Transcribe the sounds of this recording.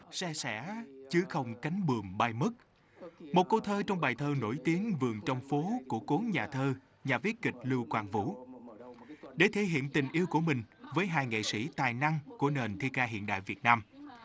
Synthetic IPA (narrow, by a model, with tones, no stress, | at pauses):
sɛ˧sɛ̰˧˥t͡ɕɨ˨˦xə˧wŋ͡mka˨˦jŋ̟ɓɨ˨˩əŋɓaː˧jmɨ˦˥k̚ | mo˨˩t̚ko˧t̪ʰəː˧t͡ɕɔ˧wŋ͡mɓaː˨˩jt̪ʰəː˧no̰˧˩jt̪i˨˦əŋvɨ˨˩əŋt͡ɕɔ˧wŋ͡mfo˨˦ku˧˩əko˨˦nɲaː˨˩t̪ʰəː˧ | ɲaː˨˩vi˨˦˥ət̚kï˨˩k̟̚lɨ˧wkwaː˧nvṵ˧˥ | ɗe˧˩t̪ʰe˧˩ɦḭ˧˨ənt̪ï˨˩ŋ̟ʔi˧əwku˧˩əmï˨˩ŋ̟vəː˨˦jɦaː˧˩jŋḛ˧˨sḭ˧˥t̪aː˨˩jna˧ŋku˧˩əne˨˩nt̪ʰi˧kaː˧ɦḭ˧˨ənɗa̰ː˧˨jvi˨˩ət̚naː˧m